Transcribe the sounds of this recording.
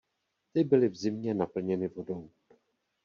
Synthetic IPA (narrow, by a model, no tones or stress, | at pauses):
t̪ɪbɪlɪvzɪmɲɛnapl̩ɲɛnɪvo̞do̞w